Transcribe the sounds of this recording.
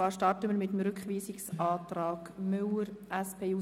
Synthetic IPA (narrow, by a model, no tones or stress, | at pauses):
ɑːʃtɑrtəmiːɾmɪtəm̩ɾʏkχʋiːsɪksɑːtɾɑːɡ̥mʏləɾʔɛspʰeːuː